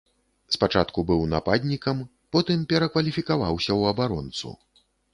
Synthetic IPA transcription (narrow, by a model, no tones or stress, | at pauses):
spat͡ʂat̪kubɨwna̰pad̪ʲnʲikɐm | pɔt̪ɨmpʲɛɾɐkvɐlʲifʲikava̰wsʲɐwɐbaɾɔ̰nt̪sṵ